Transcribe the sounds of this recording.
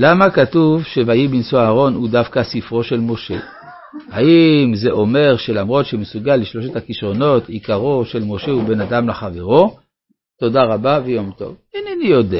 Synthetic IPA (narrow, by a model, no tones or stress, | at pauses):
lamakatuvʃevajibinsoaːʁo̞nhudafkasifʁo̞ʃe̞lmo̞ʃe̞ | haʔimze̞ʔo̞me̞ʁʃe̞lamʁo̞t̪ʃemesuɡalːiʃlo̞ʃethakiʃʁo̞no̞tikaʁo̞ʃe̞lmo̞ʃe̞ube̞nadamlaχave̞ʁo̞ | to̞daʁabavejo̞mto̞̰vinanijode